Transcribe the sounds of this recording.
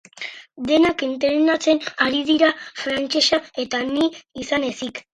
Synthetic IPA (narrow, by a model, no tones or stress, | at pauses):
d̪e̞nakint̪eɾenat͡se̞naɾið̞iɾafɾant͡ʃe̞sae̞t̪aniːsane̞sik